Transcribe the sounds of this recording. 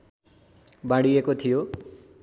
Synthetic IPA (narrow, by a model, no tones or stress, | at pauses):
baɽiekot̪ʰijo